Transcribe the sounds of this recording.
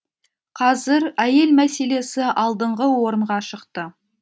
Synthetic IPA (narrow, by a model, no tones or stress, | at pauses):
qʰɑzɪɾæje̞lmæse̞le̞sɪʔɑlˠd̪əɴʁəwo̞ɾəɴʁɑʃəqt̪ə